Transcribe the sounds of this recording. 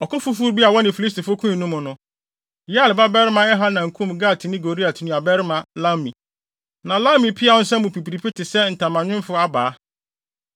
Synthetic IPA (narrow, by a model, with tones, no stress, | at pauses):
ɔ˨kʊ˦fu˦fu˦ɾbi˦a˨wɔ˦nɪ̃˨fi˨li˦sti˨fʊ˦kʰũ˦i˨nũ˦mʊ̃˨nʊ̃˨ | jlba˦bɛ˦ɾɪ˦mã˦ɛ˦ɦa˦nã˨ŋ̩˨kʰũ˦˨m˨ɡa˦˨tʰɪ˨nɪ̃˦ɡo˨ɾi˦a˨tʰɪ˨nʊ̃˦a˨bɛ˦ɾɪ˦mã˨lã˦mĩ˨ | nã˨lã˦mĩ˨pʰi˦a˨ʊ̃˦n̩˦sɛ˦mũ˨pi˨pi˨ɾi˨pʰi˦tʰɪ˨sɛ˦n̩˨tʰã˨mã˨ɲᶣɪ̃˦m˦fʊ˦a˦baː˨˦